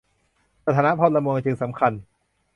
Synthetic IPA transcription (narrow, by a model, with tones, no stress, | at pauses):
sa˧t̪ʰaː˨˦na˦˥pʰɔ˥t̪̚la˧mo˧ŋt͡ɕɯ˧ŋsa˩˦mkʰa˧n